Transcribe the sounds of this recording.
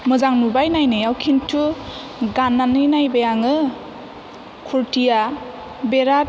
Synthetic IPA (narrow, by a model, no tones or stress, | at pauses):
mɯzaŋnubajnajnɯjawkʰintʰu | ɡanːanɯjnajbajaŋɯ | kʰuɾtija | beɾa